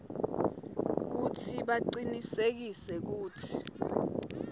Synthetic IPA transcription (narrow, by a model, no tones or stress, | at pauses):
k̬utʰiɓaǀinisek̬isɛk̬uːtʰi̥